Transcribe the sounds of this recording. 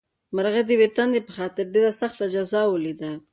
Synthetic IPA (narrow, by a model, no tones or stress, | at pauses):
maɾɣed̪əwet̪and̪epəxɑt̪ɪɾɖeɾasaxt̪ad͡ʒazɑwəlid̪a